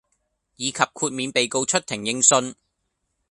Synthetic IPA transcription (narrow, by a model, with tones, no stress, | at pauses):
jiː˨˧kʰɐ˨p̚kʰuː˧t̚miː˨˧npe˨jko˧wt͡ʃʰɵ˥t̚t̪ʰɪ˨˩ŋjɪ˧ŋsɵ˧n